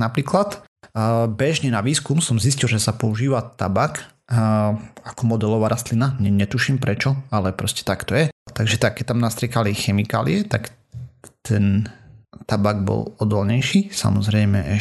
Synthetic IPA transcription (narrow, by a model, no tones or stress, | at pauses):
napɾiːklat̪ | bɛʒɲɛnaʋiːskumsɔmziscilˠʒɛsapɔuʒiːʋat̪a̰bak | akɔmɔd̪ɛlɔʋaːɾast̪linaɲɛɲɛt̪uʃimpɾɛt͡ʃɔalɛpɾɔscɛ̥t̪akt̪ɔjɛt̪aɡʒɛt̪akːɛc̚t̪amnast̪ɾiɛkalixɛmika̰ːlḭɛt̪ak | t̪ɛn | t̪abaɡ̚bɔ̰lɔd̪ɔlɲɛjʃiːsa̰mɔzɾɛɪmɛɛ